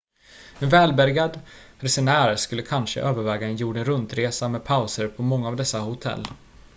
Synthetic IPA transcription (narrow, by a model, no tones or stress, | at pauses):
ɛnvɛːlbæɾɡad̪ɾɛsɛnæːɾʂkɵlːəkʰanʂə̰ʔøːvəɾvɛːɡaɛnjuːɖənɾɵnt̪ɾeːsamɛd̪̚pʰaʊsəɾpʰɔmɔŋːaːvd̪ɛsːahʊt̪ʰɛ̰lː